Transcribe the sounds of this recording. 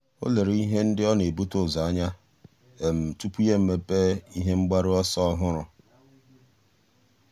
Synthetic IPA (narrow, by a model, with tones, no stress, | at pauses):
o̰˦le˨ɾi˦ɦe˦n̩˦dɪ˦ɔ˦ne˨bu˦tʊ˦˨za˨a˦ɲa˦ | e˨m̩˨tu˦pu˦je˦m̩˨me˦pe˦i˦ɦe˦ŋ͡m̩˦ɡ͡ba˦ɾɪ˦ɔ˦sɔ˦ɔ˦ɦʊ˦ɾʊ˨